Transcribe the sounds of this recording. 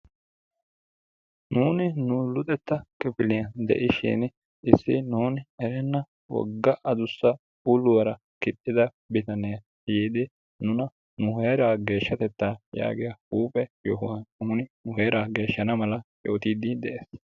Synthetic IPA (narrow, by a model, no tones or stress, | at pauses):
nuːnɪnʊlʊt̪ʼɛt̪ːɐkɪpɪlɪjɐd̪ɛ̰ʔɪʃɪ̰n | ɪsːɪnuːnɪɛɾɛnːɐ | wɔ̰ɡːɐʔɐd̪ʊsːɐ | ʊlʊwɐɾɐ | kɪt̪ʼːɪd̪ɐ | bɪt̪ɐnejɐ | jiːd̪ɪ | nʊnɐ | nʊɦeːɾaːɡe̞ːʃːɐt̪ɛt̪ːaːja̰ːɡɪjɐuːpʼɛjɔɦʊwɐnnuːnɪnʊɦeːɾaːɡe̞ːʃːɐnɐmɐlɐʔo̰ːt̪iːd̪ɪd̪ɛʔeːs